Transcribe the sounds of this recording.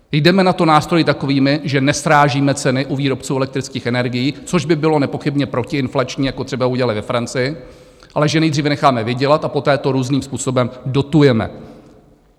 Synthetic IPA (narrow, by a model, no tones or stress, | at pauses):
jdɛmɛnat̪o̞naːst̪ɾo̞jɪt̪ako̞viːmɪʒɛnɛsɾaːʒiːmɛt͡sɛnɪʔuviːɾo̞p̚t͡suːʔɛlɛkt̪ɾɪt͡skiːxʔɛnɛɾɡɪjiːt͡so̞ʒbɪbɪlo̞nɛpo̞xɪbɲɛpɾo̞cɪɪnflat͡ʃɲiːjakot̪r̥ɛbauɟɛlalɪvɛfɾant͡sɪjɪ | ʔalɛʒɛnɛjd̪riːvɛnɛxaːmɛvɪɟɛlat̪ʔapo̞t̪ɛːt̪o̞ɾuːzniːmspuːso̞bɛmdo̞t̪ujɛmɛ̰